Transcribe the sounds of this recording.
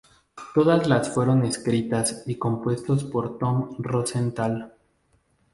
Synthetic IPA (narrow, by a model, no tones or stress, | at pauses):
t̪o̞ðazlasfwe̞ɾo̞ne̞skɾit̪asiko̞mpwe̞st̪ospoɾt̪o̞mrosent̪al